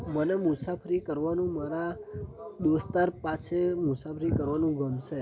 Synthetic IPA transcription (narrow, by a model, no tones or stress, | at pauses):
mənemusapʰəɾikəɾʋanũmaɾa | d̪ost̪aɾpat͡ʃʰemusafʰəɾikəɾʋanũɡəmʃe